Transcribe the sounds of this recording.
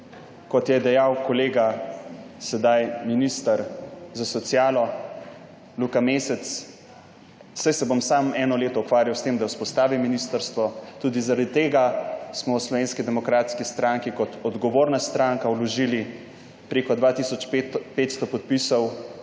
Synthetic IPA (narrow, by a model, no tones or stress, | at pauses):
kɔt̪jɛd̪ɛjawkɔleːɡa | sɛd̪ajminist̪aɾzasɔt̪sijaːlɔ | lukameːsɛt̪s | sajsɛbomsaːmɛːnɔleːt̪ɔukʋaːɾjawst̪emd̪awuspɔst̪aːʋiminist̪əɾst̪ʋɔt̪uːd̪izaɾad̪it̪eːɡasmɔwslɔʋeːnskid̪ɛmɔkɾaːt̪skist̪ɾaŋkikɔt̪ɔd̪ɡɔʋoːɾnast̪ɾaŋkawlɔʒili | pɾeːkɔd̪ʋaːt̪isɔt͡ʃpeːt̪st̪ɔpɔt̪̚pisɔw